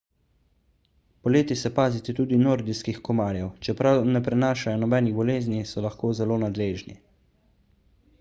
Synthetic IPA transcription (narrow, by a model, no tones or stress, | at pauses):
pɔleːt̪isɛpaːzit̪ɛt̪uːd̪inoːɾd̪iskixkɔmaːɾjɛwt͡ʃɛpɾawnɛpɾɛnaːʃajɔnɔbɛːniɣbɔleːznisɔlaxkoːzɛloːnad̪leːʒnḭ